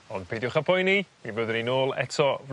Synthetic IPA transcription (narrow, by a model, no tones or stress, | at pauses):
ɔnd̚pʰejdjʊχapʰɔjnimibəðəninoːlˠɛ̰tʰɔv